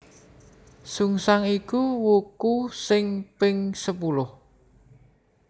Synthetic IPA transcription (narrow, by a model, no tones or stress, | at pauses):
suŋsaŋikuwukusɪŋpɪŋsəpulʊh